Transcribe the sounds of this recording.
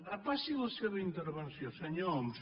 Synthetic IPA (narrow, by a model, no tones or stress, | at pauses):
apasiðɐseβɐint̪eɾβẽnθjõseɲoms